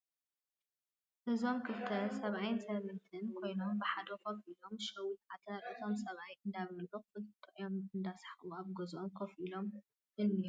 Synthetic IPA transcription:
ʔɨzo̞mkʰɨft̪ʰɐsɐβʕajɨnsɐβɨnt̪ʰɨnkʰo̞jnombɨħad̪ɐkʰofilo̞mʃɐwut̪ʕat̪ʰɐɾʔɨt̪ʰo̞msɐβajɨnd̪aβɐlʕukfɨlt̪ʰʼːɐʕjomɨnd̪asħaʔuaβɡozʔomkʰofilo̞m | kɨlːi

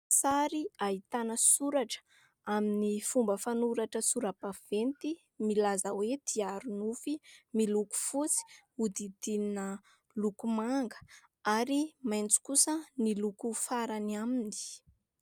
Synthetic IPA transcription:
saɾiaɦit̪anəsuɾaʈ͡ʂə̥ | aminifumbəfanuɾaʈ͡ʂəsuɾabav̥ent̪i | milazəwed̪̥iaɾunufimiluku̥fut͡si̥ | ud̪id̪ininə | lukumaŋɡə̥ | aɾimajnt͡su̥kusənilukufaɾaniamini̥

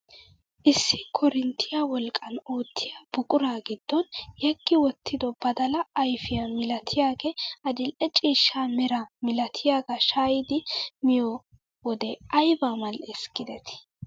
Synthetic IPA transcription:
ʔɪsːɪkʰɔɾɪnt̪ʰːɪjawɔlkʼɐno̞ːt̪ʰːɪjabʊkʼʊɾaːɡɪd̪ːɔnjɛɡ̥ːɪwɔt̪ːɪd̪ɔbɐd̪ɐlɐːjfɪjɐmɪlɐt̪ʰɪjaːɡɛɐd̪ɪlʔɛt͡ʃʼiːʃːaːmɛɾɐmɪlɐt̪ʰɪjaːɡɐʃaːjɪd̪ɪmɪjɔ | wɔd̪ɛɐjbamɐlɛskːɪd̪ɛt̪ɪ̥

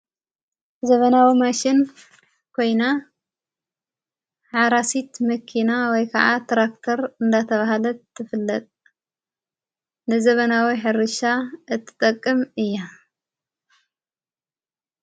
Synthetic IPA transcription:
zɐβɐnawimaʃɪn | kʰo̞jna | ħaɾasit̪mɐkʰinawɔjkʰɐʕa̰t̪ʰɾakt̪ʰɐɾɨnd̪at̪ʰɐβaɦalɐt̪ʰːɨfɨlːɐt̪ʼ | nɨzɐβɐnawiħɨɾɨʃaʔɨt̪ʰːɨ̥t̪ʼɐkʼːɨmɨjːa

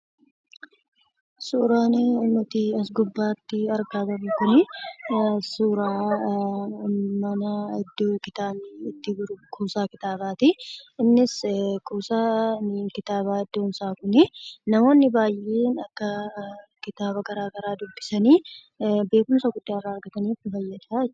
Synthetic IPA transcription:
suːɾaːnnɔt̪ɪɐs̬ɡʊbːaːt̪ːɪɐɾɡaːd̪ɐmɪkʊnɪ | suːɾaː | mɐnɐɪd̪ːoːkɪt̪aːmɪɪt̪ːɪɡʊɾʊkʰuːsaːkɪt̪aːbaːt̪ɪɪnːɪskuːsaːnɪkɪt̪aːbaːɪd̪ːoːnsaːkʊnɪnɐmo̞ːnːɪbaːjːeːnɐkːɐkɪt̪aːbɐɡɐɾaːɡɐɾaːd̪ʊbːɪsɐniː | be̞ːkʊnsɐɡʊd̪ːaːrːaːɐɾɡɐt̪ɐniːfɪfɐjːɐd̪ḁː

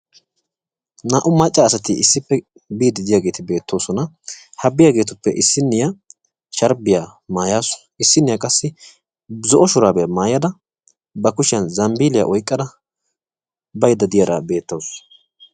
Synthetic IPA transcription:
naːʔʊmɐt͡ʃʼːaːsɐt̪ɪɪsːɪpːɛ | biːd̪ɪd̪ɪjaːɡeːt̪ɪbe̞ːt̪ːo̞ːsɔnɐ | hɐbːɪjaːɡeːt̪ʊpːɛʔɪsːɪnːɪja | ʃɐɾbɪjamaːjaːsʊ̥ | ɪsːɪnːɪjakʼɐsːɪ | zɔʔɔʃʊɾaːbɛmaːjɐd̪ɐ | bɐkʊʃɪjɐnzɐmbiːlɪja̰ʔɔjkʼːɐd̪ɐ | bɐjd̪ɐd̪ɪjɐɾɐ̰be̞ːt̪ːoːs

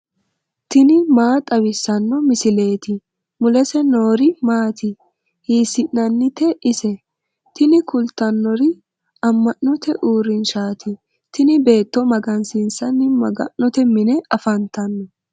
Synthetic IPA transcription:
t̪ɪnɪmaːt̪ʼɐwɪsːɐnːɔmɪsɪle̞ːt̪ɪ | mʊlɛsɛno̞ːɾɪmaːt̪ɪ | hiːsɪnnɐnːɪt̪ɛʔɪsɛ | t̪ɪnɪkʊlt̪ɐnːɔɾɪ | ɐmːɐnːɔt̪ʰɛʔuːɾɪnʃaːt̪ɪ | t̪ɪnɪbe̞ːt̪ːɔmɐɡɐnsɪnsɐnːɪmɐɡɐ̰nːɔt̪ɛmɪnɛɐfɐnt̪ɐnːɔ

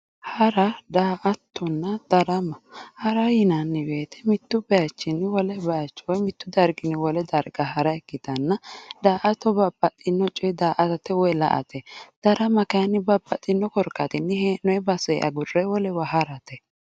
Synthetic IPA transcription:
hɐɾɐd̪aːʔɐt̪ːɔnːɐd̪̥ɐɾɐmɐhɐɾɐjɪnɐnːɪbeːt̪ʰɛ̥mɪt̪ːʊbɐjɐt͡ʃːɪnːɪwɔlɛbɐjɐt͡ʃːwɔjmɪt̪ːʊd̪ɐɾɡɪnɪwɔlɛd̪ɐɾɡɐɦɐɾɐɛkːɪd̪ɐnːɐd̪aːʔɐt̪ɔbɐbːɐt̪ʼːɪnːɔt͡ʃʼɔɛd̪aːʔɐt̪ɐt̪ːɛwɔjlɐ̰ʔɐ̰t̪ʰɛd̪̥ɐɾɐmɐkɐjɐnːɪbɐbɐt̪ʼːɪnːɔkɔɾkːɐt̪ɪnːɪhɛnɔɛbɐsɛʔɐ̰ɡʊrːɛwɔlɛwɐɦɐɾɐt̪ɛ

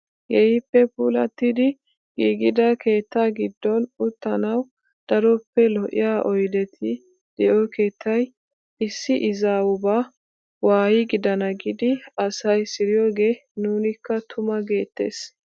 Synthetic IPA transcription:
jɛjɪpːɛpuːlɐ̰t̪ːɪd̪ɪ | ɡiːɡɪd̪ɐkʰe̞ːt̪ːaːɡɪd̪ːɔnʊt̪ːɐnɐw | d̪̥ɐɾɔpːɛlɔʔɪ̰jaːʔɔjd̪ɛt̪ʰɪ | d̪̥ɛʔoːke̞ːt̪ːɐj | ʔɪsːɪʔɪzaːʊbaː | waːjɪɡɪd̪ɐnɐɡɪd̪ɪɐsɐjsɪɾɪjo̞ːɡe̞ːnuːnɪkːɐt̪ʰʊmɐɡe̞ːt̪ːe̞̰ːs

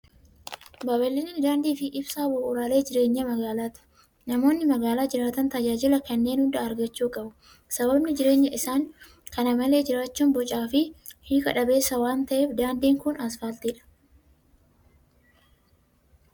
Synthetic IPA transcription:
bɐbɐlːɪnːd̪aːnd̪iːfɪʔɪbsaːbʊʔʊɾaːle̞ːd͡ʒɪɾe̞ːɲːɐmɐɡaːlaːt̪ɪ̥ | nɐmo̞ːnːɪmɐɡaːlaːd͡ʒɪɾaːt̪ɐnt̪ɐd͡ʒaːd͡ʒɪlɐkɐnːe̞ːnhʊnd̪ɐːɾɡɐt͡ʃːuːkʼɐbʊ | sɐbɐbnɪd͡ʒɪɾe̞ːɲːɐɪsaːŋ | kɐnɐmɐle̞ːd͡ʒɪɾaːt͡ʃːuːnbɔt͡ʃʼaːfɪhiːkɐᶑɐbe̞ːsːɐwaːnt̪ɐʔeːfd̪aːnd̪iːŋkʊnɐsfaːlt̪iːᶑɐ̥

